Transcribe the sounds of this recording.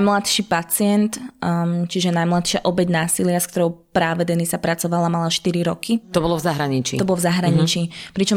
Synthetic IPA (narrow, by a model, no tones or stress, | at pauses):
mlat̪ʃiːpat͡sɪɛnt̪ | t͡ʃiʒɛnajmlat̪ʃɪaʔɔbɛɟnaːsilɪask̚t̪ɔɾɔʊpɾaːʋɛd̪ɛnisapɾat͡sɔʋalamalaʃt̪iɾiɾɔkʰit̪ɔbɔlɔvzaɦɾaɲit͡ʃḭt̪ɔbɔlɔvzaɦɾaɲit͡ʃiːpɾit͡ʃɔm